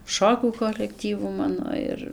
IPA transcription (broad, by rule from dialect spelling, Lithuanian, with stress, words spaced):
ˈʃoːkʲuː koːlʲɛkˈtʲiːʋʊ ˈmɑːnoː ɪr